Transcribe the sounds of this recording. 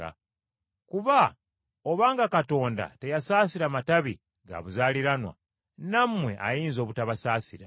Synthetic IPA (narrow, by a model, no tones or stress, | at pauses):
a̰ | kuβa | o̞βaːŋɡakato̞ːnda̰te̞jasaːsiɾamataβi | ɡa̰βuzaːliɾanwa̰ | namːwe̞ʔa̰jiːnzo̞ːβutaβasaːsiɾa